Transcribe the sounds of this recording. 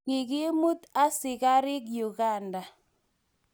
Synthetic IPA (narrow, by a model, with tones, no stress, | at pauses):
ɪ˨kɪ˦mu˦t̪a˦sɪ˨ka˦ɾɪ˦k̬ju˨ɡa˦˨nda˨